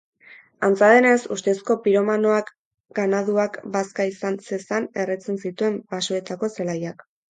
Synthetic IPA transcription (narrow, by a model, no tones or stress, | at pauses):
ant͡saðe̞ne̞sust̪e̞sko̞piɾo̞mano̞ak | ɡanaðuakbaskaisanse̞sane̞ret͡se̞nsit̪ue̞mbasoe̞t̪ako̞selajak